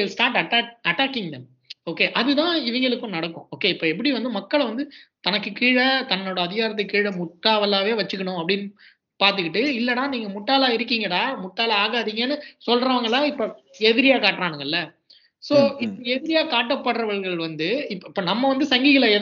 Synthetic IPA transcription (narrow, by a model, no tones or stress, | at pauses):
elsʈaːɾʈɐʈaɐʈːaːkːɪŋɡɡɐ | oːkeːʔɐðɯt̪ãːɪʋɐŋɡɐɭɯkːõnɐɽɐkːʊ̰̃oːkːeːɪpːoːɛp̬ːɐɽiʋɐnd̪ɯmɐkːɐɭʋɐnd̪ɯt̪ɐnɐkːɯkiːɻɐt̪ɐnːoːɽɐːðɪɣaːɾɐt̪̬ːɐɪkːiːɻɐmʊʈːaːʋɐlːaːʋeːʋɐt͡ʃːɯkːɐɳʊ̃ɐpːɐɽɪnːɯ | paːɾt̪ɯkːɪʈːɯɪlːɐnaːniːŋɡɐmʊʈːaːlaːɪɾɯkːiːŋɡɐtaːmʊʈːaːlɐaːɣaːðiːŋɡɐnːɯsɔlɾɐʋaːŋɡɐɭaːɪpːoː | ɛðɪɾɪjaːkaːʈːɾaːnɯŋɡɐɪlːɐ | soːɪpːɐɛðɪɾɪjaːkaːʈːɐpːɐɽɾɐʋɐɭɣɐɭʋɐnd̪ɯɪpːɪpːoːnɐmːɐʋɐnd̪ɯsɐŋɡiɣɐɭeːð